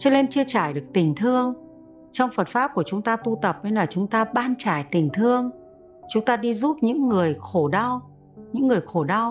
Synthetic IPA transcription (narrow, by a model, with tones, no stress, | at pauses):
t͡ɕə˧˦˥le˧nt͡ɕi˧ət͡ɕaː˧˩jɗɨ˨˩ək̚t̪ï˨˩ŋ̟t̪ʰɨ˧əŋ | t͡ɕɔ˧wŋ͡mfə˨˩t̚faː˦˥p̚ku˧˩ət͡ɕʊ˨˦ŋ͡mt̪aː˧t̪u˧t̪ə˨˩p̚ne˧jlaː˨˩t͡ɕʊ˨˦ŋ͡mt̪aː˧ɓaː˧nt͡ɕaː˧˩jt̪ï˨˩ŋ̟t̪ʰɨ˧əŋ | t͡ɕʊ˨˦ŋ͡mt̪aː˧ɗi˧zu˦˥p̚ɲɨ̰˧˥ŋːɨ˨˩əjxo˧˩ɗa˧w | ɲɨ̰˧˥ŋːɨ˨˩əjxo˧˩ɗa˧w